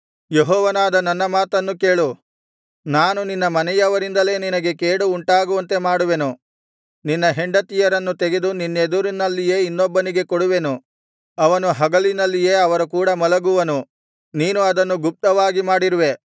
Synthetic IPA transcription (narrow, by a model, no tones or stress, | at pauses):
jeɦɔːʋɐnaːd̪ɐnɐnːɐmaːt̪ɐnːuke̞ːɭu | naːnuninːɐmɐnɛjɐʋɐɾind̪ɐle̞ːninɐɡe̞keːɽuːɳʈaːɡuʋɐnt̪e̞maːɽuʋe̞nu | ninːɐɦeɳɖɐt̪ijɐɾɐnːut̪eɡe̞d̪uninːed̪uɾinɐlːije̞ːinːɔbːɐniɡe̞koɽuʋe̞nu | ɐʋɐnuɦɐɡɐlinɐlːije̞ːɐʋɐɾukuːɽɐmɐlɐɡuʋɐnu | niːnuɐd̪ɐnːuɡup̚t̪ɐʋaːɡimaːɽiɾuʋe̞